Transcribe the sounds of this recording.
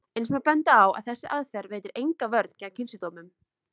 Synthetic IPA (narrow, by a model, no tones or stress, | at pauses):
ensmapɛnt̪aːwa̰ðθɛsːɪʔaðfɛɾveːjt̪ɪɾʔejŋkavœɾt̪ncɛːacʰɪnsɪt̪owmʏm